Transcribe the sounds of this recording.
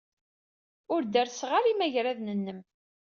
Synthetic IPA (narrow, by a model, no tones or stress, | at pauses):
ʊɾd̪æɾsʁaɾimæʝɾæðnənːəm